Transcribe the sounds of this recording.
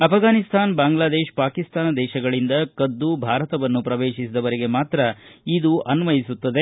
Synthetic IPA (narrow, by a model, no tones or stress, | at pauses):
ɐpʰɡaːnist̪ʰaːnbaːŋɡlaːd̪eːʃpaːkist̪ʰaːnɐd̪ɛːʃɐɡɐɭind̪ɐkɐd̪ːubʱaːɾɐt̪ɐʋɐnːupɾɐʋeːʃisid̪ɐʋɐɾiɡe̞maːt̪ɾɐid̪uʔɐnʋɐjisut̪ːɐd̪e̞